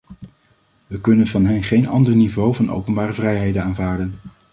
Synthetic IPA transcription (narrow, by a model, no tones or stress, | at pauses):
ʋəkɵnənvɑnɦɛnχejnɑ̰ndəɹnivowvɑnʔo̰wpənbaːrəvrɛjɦejdənaːnvaːɹdən